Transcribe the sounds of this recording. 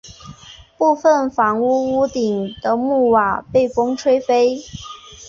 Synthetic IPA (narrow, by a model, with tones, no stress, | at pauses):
pu˥˧fə˥˩nfɑ˧˥ŋu˥u˥t̪i˨˩ŋd̪̥ə˦mu˥˩wa˨˩˦pe˥˩ɪfo˥ŋʈ͡ʂʰwe˥ɪfe˥ɪ